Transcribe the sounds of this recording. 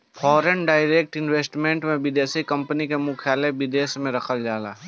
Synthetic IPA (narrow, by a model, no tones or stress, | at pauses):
fʰɔːɾenɖaːɪɾeːk̚ʈɪnweːsʈmẽːɳʈmẽbɪd̪eːsikɐ̃mpənikemʊkʰjaːlebɪd̪eːsmẽɾɐkʰəld͡ʒaːla̰ː